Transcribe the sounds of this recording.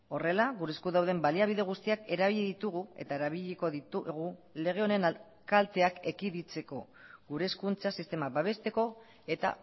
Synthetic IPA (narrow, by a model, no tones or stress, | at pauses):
o̞re̞laɣuɾeskuðawðe̞mbaliaβ̞iðe̞ɣ̞ust̪iake̞ɾaβiʎiðit̪uɣ̞ue̞̰t̪aeɾaβiʎiko̞ðit̪uɣule̞ɣ̞e̞one̞na | kalt̪e̞ake̞kiðit͡se̞ko̞ | ɡuɾeskunt͡sasist̪e̞maβaβe̞st̪e̞ko̞ | e̞t̪a̰